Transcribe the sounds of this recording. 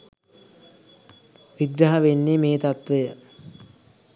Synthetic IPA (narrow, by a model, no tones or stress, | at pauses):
ʋiɡɾaɦaʋenːemeːt̪at̪ʋəjə